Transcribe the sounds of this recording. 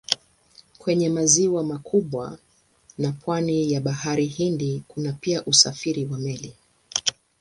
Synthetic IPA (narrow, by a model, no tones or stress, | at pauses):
kwɛɲɛmaziwamakʰuɓwa̰ | napʰwanijaɓaɦaɾihindikunapiaʔusafiɾiwamɛli